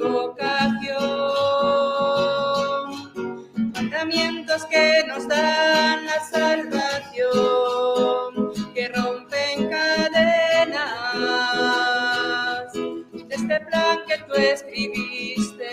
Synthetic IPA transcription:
βokaθjo | n | mand̪amje̞nt̪o̞ske̞no̞zðanlasalβaθjo | ŋke̞ro̞mpe̞ŋkaðena | sd̪est̪e̞plaŋke̞t̪ue̞skɾiβist̪e

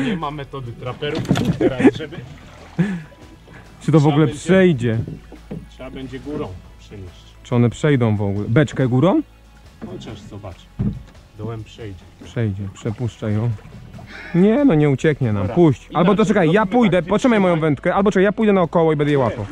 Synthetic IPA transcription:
ɲɛmamɛt̪ɔd̪ɪt̪ɾapɛɾuaɛ | t͡ʂɨt̪ɔvɔɡulɛpʂɛjd͡ʑɛ | tʂɛabɛɲd͡ʑɛɡuɾɔ̃w̃pʂɛɲʲɛɕt͡ɕt͡ʂɨɔnɛpʂɛjd̪ɔ̃w̃vɔɡulɛbɛt͡ʂkɛɡuɾɔ̃w | ɔt͡ʃɛʂzɔbat͡ʂɨ̥ | d̪ɔwɛmpʂɛjd͡ʑɛpʂɛjd͡ʑɛpʂɛpuʂt͡ʂajɔ̃w̃ | ɲɛnɔɲɛut͡ɕɛkɲɛna̰mpuɕt͡ɕʔalbɔt̪ɔtt͡ʃɛkajjapujd̪ɛpɔt̪ʂɨmajmɔjɔ̃w̃vɛnt̪kɛʔalbɔtt͡ʂɛkajapujd̪ɛnaɔkɔwɔibɛnd̪ɛjɛwapɔ

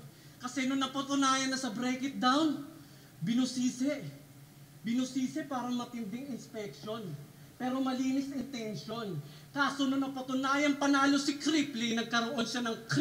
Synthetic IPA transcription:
kɐsɛnoŋnɐpɐt̪ʊnaːjɐnːɐsɐbɾɛjkɪt̪̚d̪awn | bɪnusiːsɛ | bɪnusiːsɛpaːɾɐŋmɐt̪ɪnd̪ɪŋɪnspɛk̚ʃo̞n | pɛːɾo̞mɐliːnɪsʔɪnt̪ɛnʃo̞n | kaːsononɐpɐt̪ʊnaːjɐŋpɐnaːlo̞sɪkɾiplinɐɡ̚kɐɾoʔo̞nʃanɐŋk

